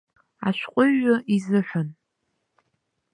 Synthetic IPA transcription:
a̰ʃʷqʷʼʊɥːʊʔizɨħʷᶣʊn

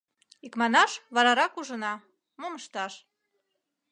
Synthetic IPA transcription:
ikmɑnɑʃβɑɾɑɾɑkuʒənɑ | moməʃt̪ɑʃ

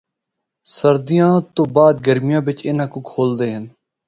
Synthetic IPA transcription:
səɾd̪ijãːt̪oːbaːd̪ɡəɾmɪjãːbɪt͡ʃɪːnãːkoːkʰoːld̪eːɦən

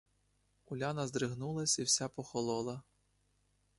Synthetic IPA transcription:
ʊlʲanɐzd̪ɾɪɦnulˠɐsʲiwsʲapɔxɔlˠɔlˠɐ

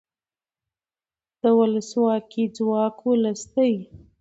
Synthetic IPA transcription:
d̪̥əwʊləswɑkid͡zwɑkwʊlast̪əj

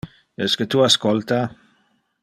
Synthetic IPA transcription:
ɛskət̪uaskolt̪a

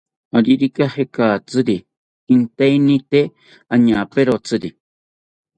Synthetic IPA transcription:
aɾiɾikahekat͡sɨɾi | int̪einĩt̪e | aɲãːpeɾot͡sɨɾi

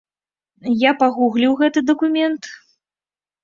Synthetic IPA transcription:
japaɣuɣlʲiwɣɛt̪ɨd̪ɐkumʲɛnt̪

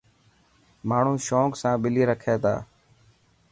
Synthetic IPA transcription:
maːɳ̤ũːʃoːksãːɓɪliːɾəkʰeːt̪a̰ː

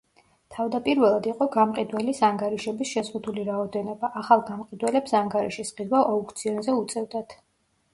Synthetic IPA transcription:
t̪ʰavd̪apʼiɾvɛlˠad̪iqʼɔɡamqʼid̪wɛlisaŋɡaɾiʃɛbisʃɛzʁud̪uliɾaɔd̪ɛnɔbaʔːχalˠɡamqʼid̪wɛlɛpsaŋɡaɾiʃisχid̪waʔɔkʰʼt̪sʰiɔnzɛut̪sʼɛvd̪at̪ʰ

